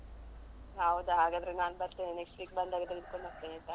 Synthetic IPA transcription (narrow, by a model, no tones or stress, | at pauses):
ɦɐwd̪uɦaːɡaːd̪ɐɾenaːnbɐɾt̪enineksʈliːk̚bɐnd̪aːɡet̪ːeɡid̪̚koɳbaɾt̪enit̪ːa